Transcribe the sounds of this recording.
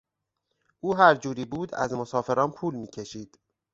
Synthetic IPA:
ʔuːɦæɾd͡ʒuːɾiːbuːd̪æ̰zmosɒːfe̞ɾɒːnpʰuːlmiːcʰeʃiːd̪̥

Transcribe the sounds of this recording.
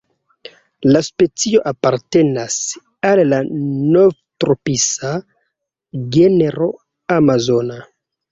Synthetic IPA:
laspe̞t͡sio̞ʔapaɾte̞nas | alːanovtɾopisa | ɡeneɾo̞ | amazo̞na

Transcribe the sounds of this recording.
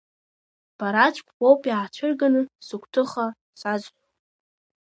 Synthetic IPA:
b̥aɾat͡ʃʷʰʼkʷʰʼwowpʼjaːt͡ʃʷʰɨrɡanɨsɨkʷʰʼtʰɨχa | sazʷʼ

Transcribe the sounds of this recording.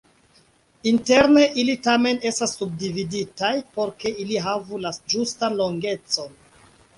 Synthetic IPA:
inte̞ɾne̞ʔilitame̞ne̞stasːub̚dividitajpo̞ɾke̞iliɦavulad͡ʒustanlo̞ŋɡe̞t͡so̞n

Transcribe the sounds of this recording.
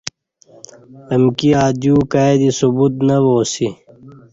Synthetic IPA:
əmkiaːd̪juːkaːed̪isubut̪nɐʋoːsi

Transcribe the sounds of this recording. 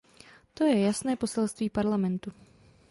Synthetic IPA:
t̪o̞jɛjasnɛːpo̞sɛlst̪viːpaɾlamɛnt̪u

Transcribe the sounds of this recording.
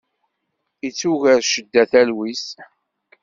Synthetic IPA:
it͡sːuʝæɾʃəd̪ːæθælwis

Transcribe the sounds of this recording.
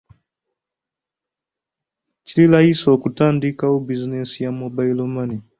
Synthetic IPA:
t͡ʃililahisokutaːndikaubizinesijamobailomani

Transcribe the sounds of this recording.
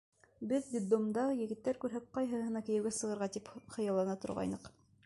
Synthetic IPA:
bɘðd̪ʲid̪omd̪ɑjɘ̆ɡɘ̆t̪ːæɾkʉɾɦæp̚qɑjɦɤhɤ̆nɑkɘ̆jɘ̆wɡæsɤ̆ʁɤ̆ɾʁɑt̪ipχɤ̆jɑlˠːɑnɑt̪ŏɾʁɑ̰jnɤq

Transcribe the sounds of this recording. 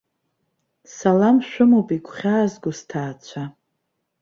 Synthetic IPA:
salamʃᶣʷʊmowpʼikʷʰʼχʲaːzɡʊstʰaːt͡sʷʰa

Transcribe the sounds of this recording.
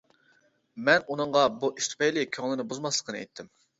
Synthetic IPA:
mɛnunɨɴʁɑbuʔiʃt̪ʰpejlɪkʲʰøŋlˠɪnɪbuzmɑslˠəqːənɨḛjt̪ʰːɪm

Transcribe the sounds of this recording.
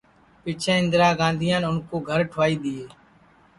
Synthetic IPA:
pɪt͡ʃʰẽːɪ̃nd̪ɾaːɡãːnd̪ʱijãːnʊnkoːɡʱəɾʈʰʋaːiːɗ̪iːeː

